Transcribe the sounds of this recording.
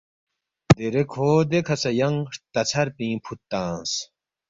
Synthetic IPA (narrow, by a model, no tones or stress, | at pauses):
d̪eɾekʰoːd̪ekʰɐsɐjɐŋʂt̪ɐt͡sʰɐɾpĩːpʰut̪ːãːs